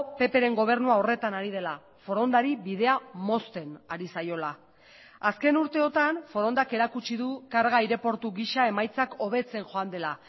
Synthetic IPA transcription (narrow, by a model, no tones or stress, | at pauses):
pe̞pe̞ɾe̞ŋɡo̞β̞e̞ɾnuao̞re̞t̪anaɾiðe̞la | fo̞ɾo̞nd̪aɾiβið̞e̞amo̞st̪e̞naɾisajo̞la | aske̞nuɾt̪e̞o̞t̪anfo̞ɾo̞nd̪ake̞ɾakut͡ʃiðukaɾɣaiɾe̞po̞ɾt̪uɣiʃae̞majt͡sako̞β̞e̞t͡se̞nʝo̞and̪e̞la